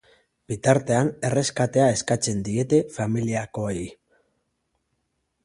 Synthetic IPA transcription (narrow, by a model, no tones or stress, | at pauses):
b̥it̪aɾt̪e̞ane̞re̞skat̪e̞ae̞skat͡se̞nd̪ie̞t̪e̞familiako̞ei